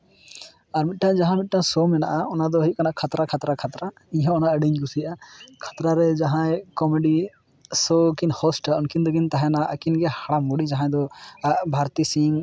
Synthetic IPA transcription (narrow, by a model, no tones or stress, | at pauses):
aɾmit̪̚ˀʈãd͡ʒaɦãmit̪̚ʈãsɔmɛna̰ʔaɔnad̪ɔɦit̪̚kanaʔkʰat̪ɾakʰat̪ɾakʰat̪ɾa | iɲãɔnaʔəɖiɲɡusijaʔakʰḁt̪ɾaɾɛd͡ʒaɦãjkɔmɛɖi | sɔkinhɔsʈaɔnkind̪ɔɡint̪aɦɛ̃naʔəkinɡɛhaɽamuɽid͡ʒaɦãjd̪ɔbʱaɾt̪isiŋ